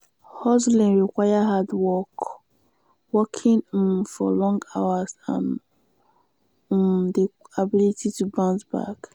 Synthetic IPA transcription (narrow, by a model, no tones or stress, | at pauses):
hɔzlãnɹikwajaɦadwɔk | wɔkʰĩnfɔ̰lɔ̃ŋɡawazã̰n | mdiabilitʰitubãntba̰k